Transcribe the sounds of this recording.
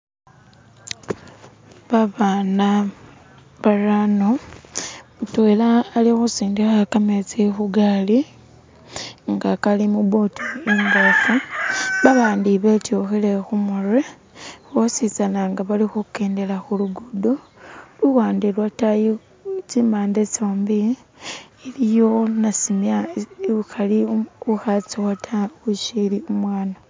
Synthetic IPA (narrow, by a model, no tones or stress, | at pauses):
βaβaːna | βaɾano | utwelaːlixusiːndixakamet͡sexuɡali | ŋɡakalimuβo̞tieŋɡofuβaβaːndiβetjoxelexumure | xosit͡sanaŋɡaβalixuke̞ːnde̞laxuluɡudo | luwaːndelwataji | t͡simaːndet͡soːmbiː | lijonasimjaxaliuxat͡siwatʰauʃiliumwaːna